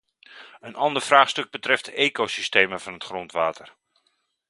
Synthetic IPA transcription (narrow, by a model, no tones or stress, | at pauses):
ənɑndərfraːχstɵɡ̚bətrɛfteːkosystejməvɑnɦətχrontʋaːtər